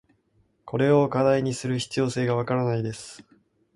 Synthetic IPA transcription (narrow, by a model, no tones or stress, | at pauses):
ko̞ɾe̞o̞kad̪aiɲ̟isɨɾɯ̟çi̥t͡sɨjo̞ːse̞ːɡaβ̞akaɾanaid̪e̞sɨ̥